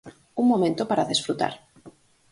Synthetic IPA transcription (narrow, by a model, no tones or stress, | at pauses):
uŋmomẽnt̪opaɾaðesfɾut̪a̰ɾ